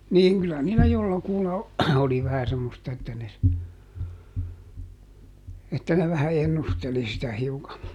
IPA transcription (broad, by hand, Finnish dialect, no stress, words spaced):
niːŋ kylæ niːlæ jolːɑkulːɑ oli ʋæhæ semːostɑ etːæ ne s etːæ ne ʋæhæ enːusteli sitæ hiukɑ